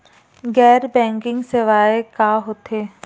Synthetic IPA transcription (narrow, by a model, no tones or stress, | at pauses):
ɡɛːɾbɛ̃ːŋkɪ̃ŋɡsɪʋaːekaːɦoːt̪ʰeː